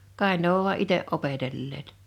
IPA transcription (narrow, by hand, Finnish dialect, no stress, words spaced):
kɑˑe ne oʋ ʋuɑ ʔiteʔ ʔopetelːeːt